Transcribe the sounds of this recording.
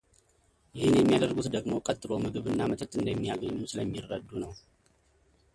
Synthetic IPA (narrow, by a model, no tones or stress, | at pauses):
jɪhɨnjɛmːijad̪ərɡut̪d̪əɡmo̞kʼət̪ʼːɨlo̞mɨɡɨβɨnːamət̪ʰət̪ʼɨnd̪əmːijaɡəɲːusɨləmːirːəd̪ːunəw